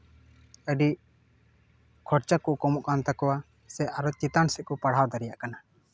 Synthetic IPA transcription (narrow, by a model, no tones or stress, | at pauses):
əɖi | kʰɔɾt͡ʃakuʔkɔmɔʔkant̪akɔwa | sɛʔaɾɔt͡ʃit̪ansɛʔ̚kɔpaɽ̤awd̪aɾijaʔkana